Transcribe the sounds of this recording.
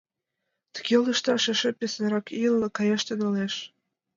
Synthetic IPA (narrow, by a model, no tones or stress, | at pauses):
t̪ə̥ɣ̥elə̆ʃt̪ɑʃĕʃĕpʲesənɾɑkilːɤkɑjɑʃt̪enoleʃ